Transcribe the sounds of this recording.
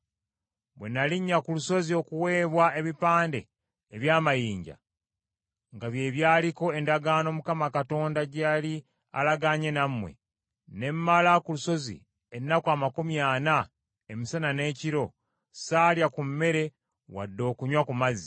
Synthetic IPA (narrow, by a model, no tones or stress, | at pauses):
βwe̞̰naliɲːakuluso̞zio̞kuwe̞ːβwae̞βipaːnde̞̰ː | βjaːmajiːɲɟa̰ | ŋɡaβje̞ːβjaːliko̞e̞ndaɡaːno̞mukamakato̞ːndaɟali | a̰laɡaɲe̞namwe̞̰ | ne̞mːalakuluso̞zḭ | e̞nːakwaːmakumjaːna | e̞misanane̞ːciɾo̞ | saːljakumːe̞ɾe̞ | wa̰dːo̞ːkuɲwakumazi̥